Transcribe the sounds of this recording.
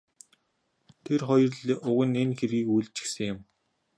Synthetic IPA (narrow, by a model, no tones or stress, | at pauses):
t̪ʰerχɔjɞ̆rɮʊɣə̆nenxerɣiːkujɮt͡ɕɪ̥̆xsɘ̆ŋjʊ̆m